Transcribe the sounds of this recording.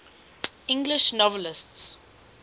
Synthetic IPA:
ɪ̃ŋɡlɪʃnɔvəlɪsts

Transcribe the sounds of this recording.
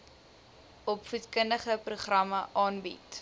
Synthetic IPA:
ɔpfutkəndəχəpruχrɐməʔɑːnbḭt

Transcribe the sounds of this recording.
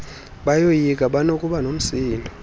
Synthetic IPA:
ɓajojik̬ʼaɓanokʼuɓanom̩siːlɔ

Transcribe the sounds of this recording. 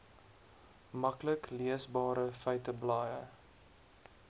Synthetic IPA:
mɐkləkliəsbɑːɾəfəjtəblɑːjə

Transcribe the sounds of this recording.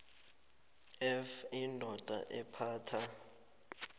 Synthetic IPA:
ɛfindʱɔd̥ʼʱa̰ʔɛpʰaːtʰa

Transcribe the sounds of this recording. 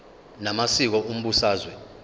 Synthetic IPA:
namasik̬ɔum̩ɓusaːzwɛ

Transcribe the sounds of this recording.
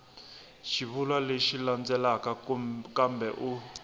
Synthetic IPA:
ʃiβulwaleʃiland͡zɛlakakambɛʔu

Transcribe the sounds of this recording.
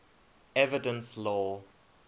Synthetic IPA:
ɛvɪdə̃nslɔ

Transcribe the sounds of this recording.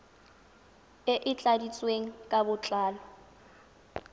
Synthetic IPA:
ɪʔɪt͡ɬʼadit͡sʼweŋ̩kʼabʊt͡ɬʼaːlɔ

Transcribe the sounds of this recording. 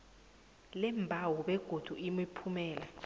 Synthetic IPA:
lɛmbʱawɔɓɛɡ̥ʱod̥ʱuʔimipʰumɛːla

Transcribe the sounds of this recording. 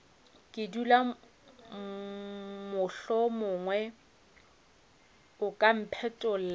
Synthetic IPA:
kʼɪdula | mʊɬɔmʊːŋwɛ | ʊkʼam̩pʰɛtʼʊl̩l

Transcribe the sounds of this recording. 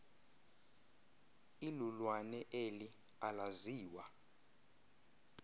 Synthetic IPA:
ilulwanɛʔelialaziːwa

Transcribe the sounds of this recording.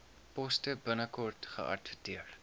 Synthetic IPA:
pɔstəbənəkɔrtχə̰ʔɐ̰tvətiər

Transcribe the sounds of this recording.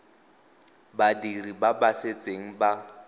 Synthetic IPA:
badiribabaset͡sʼeŋ̩ba

